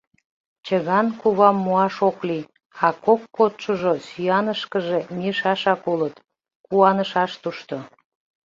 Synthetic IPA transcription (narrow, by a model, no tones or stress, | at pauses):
t͡ɕəɣɑnkuβɑmːuɑʃokli | ɑkokːot̪ʃoʒosyjɑnəʃkəʒemiəʃɑʃɑkulət̪ | kuɑnəʃɑʃt̪uʃt̪o